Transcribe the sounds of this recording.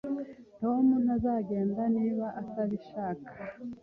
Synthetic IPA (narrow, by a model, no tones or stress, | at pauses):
to̞munazaɡe̞ːndaniːβaʔataβiʃaːkḁ